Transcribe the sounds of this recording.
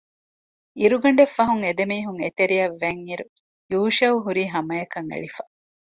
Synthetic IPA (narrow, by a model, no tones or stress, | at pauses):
iɾuɡɐɳɖefːɐɦuŋed̪emiːɦuŋet̪eɾiɐʋːeŋiɾu | juːʃɐuɦuɾiːɦɐmɐjɐkɐŋḛɭifɐ